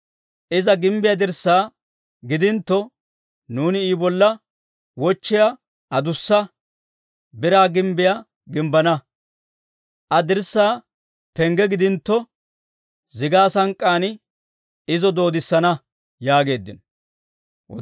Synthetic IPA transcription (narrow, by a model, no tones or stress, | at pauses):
ʔɪzɐɡɪmbɪjɐd̪ɪɾsːaː | ɡɪd̪ɪnt̪ːɔ | nuːnɪiːbɔlːɐ | wɔt͡ʃːɪja | ɐd̪ʊsːɐ | bɪɾaːɡɪmbɪja | ɡɪmbɐnɐ | ʔɐd̪ɪɾsːaː | pɛŋɡɛɡɪd̪ɪnt̪ːɔ | zɪɡaːsɐŋkʼːaːn | ɪzɔd̪o̞ːd̪ɪsːɐnɐ | jaːɡe̞ːd̪ːɪn | wɔ